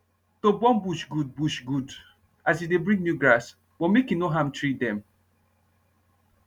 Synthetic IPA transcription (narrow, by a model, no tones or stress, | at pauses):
tobɔ̃nbuʃɡud̚buʃɡud | asidebɹĩŋɡnjuɡɹas | b̥ɔmekinoɦãmtʰɹit̚dɛ̃m